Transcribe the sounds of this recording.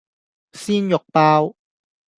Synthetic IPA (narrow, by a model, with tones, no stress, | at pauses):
siː˥njʊ˨k̚paː˧˥˧w